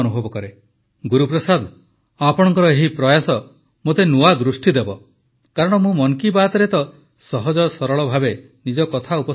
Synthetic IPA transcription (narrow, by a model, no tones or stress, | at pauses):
nubʱɔbɔkɔɾe | ɡuɾupɾɔsad̪ | apɔɽ̃ɔŋkɔɾɔeɦipɾɔjasɔ | mot̪enuad̪ɾusʈid̪ebɔ | kaɾɔɽ̃ɔmũmɔŋkibat̪ɔɾet̪ɔ | sɔɦɔd͡ʒɔsɔɾɔɭɔbʱabe | nid͡ʒɔkɔt̪ʰaupɔ